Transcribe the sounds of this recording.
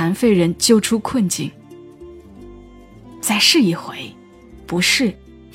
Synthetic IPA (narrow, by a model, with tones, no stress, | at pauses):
a˧˥nfe˥˩ɪɻə˧˥nt͡ɕjo˥ʊʈ͡ʂʰu˥kʰwə˥˧nt͡ɕi˥˩ŋ | t͡sa˥˩ɪʂɻ̩˥˩i˧˨˩xwe˧˥ɪ | pu˧˥ʂɻ̩˥˩